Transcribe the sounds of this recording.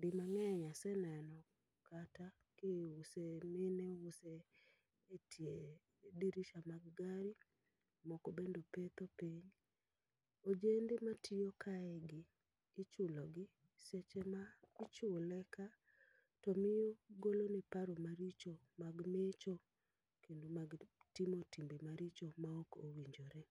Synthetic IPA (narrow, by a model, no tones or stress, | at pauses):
dɪmaŋɛɲasɛnɛnɔ | kata | kɪʊsemɪnɛʊseː | tʰje | diɾiʃamaɡɡaɾi | mɔkobendopet̪opiɲ | od͡ʒendematʰijokʰaɛɡɪː | t͡ʃʊlɔɡɪ | set͡ʃɛmaɪt͡ʃʊlɛka | tomɪjoɡolonɛpaɾomaɾit͡ʃo | maɡmet͡ʃo | kendomaɡtimotimbemaɾit͡ʃomaokowiɲd͡ʒoɾɛ